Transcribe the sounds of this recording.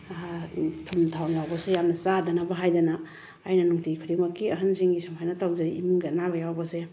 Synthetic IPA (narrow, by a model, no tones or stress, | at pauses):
tʰumtʰawjawbɐsejamnɐsadɐnɐbɐɦajdɐnaː | jnɐnuŋtikʰɯɾimɐkːiɐɦansiŋɡisampʰajnɐtawzajḭmɡanabɐjawbɐse